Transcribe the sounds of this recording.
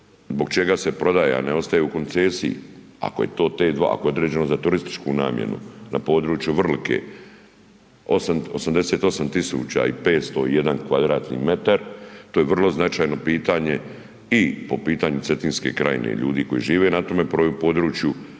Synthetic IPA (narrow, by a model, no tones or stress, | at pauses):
zboɡ̚t͡ʃe̞ɡase̞pɾo̞d̪aːjḛa̰neo̞st̪ajeuko̞nt̪seːsiḭ | a̰koje̞̰t̪o̞ːt̪e̞ːd̪ʋa̰ko̞jeo̞d̪ɾeːd͡ʑe̞no̞zat̪uɾist̪i̥t͡ʃkuna̰ːmjḛnṵnapo̞ːd̪ɾuːt͡ʃjuʋr̩likʰe̞̰ː | osamosamd̪e̞seːt̪o̞samt̪isṵːt͡ɕa̰ipe̞ːt̪st̪o̞ije̞d̪ankʋad̪ɾaːt̪nḭːme̞t̪aɾt̪ojeʋr̩lˠo̞znat͡ʃaːjno̞piːt̪aɲe̞ | ipo̞piːt̪aːɲut̪set̪inske̞̰kɾa̰jḭnḛʎṵːd̪iːko̞jḭʒiːʋe̞nat̪o̞me̞pɾoːjupo̞ːd̪ɾuːt͡ʃju